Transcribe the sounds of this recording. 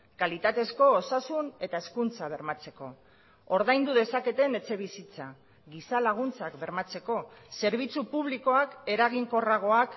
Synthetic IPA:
kalit̪at̪e̞sko̞ːsasune̞t̪ae̞skunt͡saβ̞e̞ɾmat͡se̞ko̞̰ | oɾðajnd̪uðe̞sake̞t̪e̞ne̞t͡se̞β̞isit͡sa | ɣisalaɣ̞unt͡sakbe̞ɾmat͡se̞ko̞se̞ɾβ̞it͡supuβliko̞ake̞ɾaɣ̞iŋko̞raɣ̞o̞ak

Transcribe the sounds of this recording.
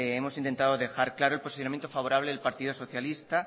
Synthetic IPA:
emo̞sint̪e̞nt̪aðoðe̞xaɾklaɾolposi̥θjonamjent̪ofaβ̞o̞ɾaβleðelpaɾt̪iðoso̞θjalist̪a

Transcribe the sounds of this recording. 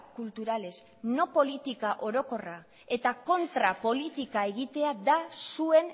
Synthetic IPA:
kult̪uɾale̞s | no̞po̞lit̪ikaʔo̞ɾo̞ko̞ra | e̞t̪ako̞nt̪ɾapo̞lit̪ikae̞ɣit̪e̞ad̪asue̞n

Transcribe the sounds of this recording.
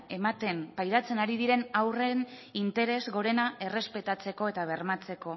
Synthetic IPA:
e̞mat̪e̞mpajðat͡senaɾiðiɾe̞nawre̞nint̪e̞ɾe̞zɣo̞ɾe̞naʔe̞re̞spe̞t̪at͡se̞ko̞e̞t̪aβ̞e̞rmat͡se̞ko̞

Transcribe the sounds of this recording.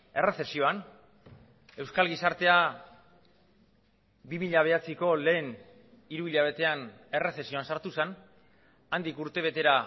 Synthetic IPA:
e̞re̞se̞sio̞an | e̞wskalɣisaɾt̪e̞a | bimiʎaβ̞e̞at͡siko̞le̞ːn | iɾuiʎaβ̞e̞t̪e̞an | e̞re̞se̞sio̞ansaɾt̪usan | and̪ikuɾt̪e̞β̞e̞t̪e̞ɾa

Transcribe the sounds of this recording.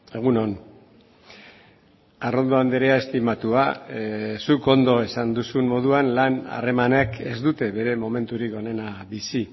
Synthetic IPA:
e̞ɣ̞uno̞n | aro̞nd̪o̞and̪eɾeae̞st̪imat̪ua | suko̞nd̪o̞e̞sand̪usunmo̞ðuanlana̰re̞manekʰe̞zd̪ut̪e̞βe̞ɾe̞mo̞me̞nt̪uɾiko̞ne̞nabisi

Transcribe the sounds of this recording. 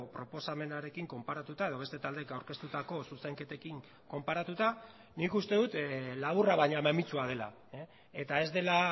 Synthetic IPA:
pɾo̞po̞same̞naɾe̞kiŋko̞mpaɾat̪ut̪ae̞ð̞o̞β̞e̞st̪e̞t̪ald̪e̞kawɾke̞st̪ut̪ako̞suseŋke̞t̪e̞kiŋ | ko̞mpaɾat̪ut̪a | nikust̪e̞ðut̪laβuraβajɲamemit͡suað̞e̞la̰ | et̪ae̞zd̪e̞la

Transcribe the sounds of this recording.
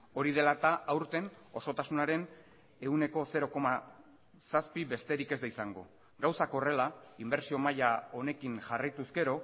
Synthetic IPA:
o̞ɾið̞e̞lat̪aawɾt̪e̞no̞so̞t̪asunaɾe̞n | e̞une̞ko̞se̞ɾo̞ko̞ma | saspiβe̞st̪e̞ɾike̞zd̪aisaŋɡo̞̰ | ɡawsako̞re̞laimbe̞ɾsio̞majao̞ne̞kiŋʝarajt̪uske̞ɾo̞

